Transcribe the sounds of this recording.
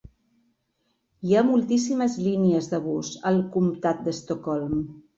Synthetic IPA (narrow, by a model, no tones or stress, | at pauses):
iamulˠt̪isiməzliniəzðəβ̞uzəlˠkumt̪at̪̚d̪əst̪okɔlˠm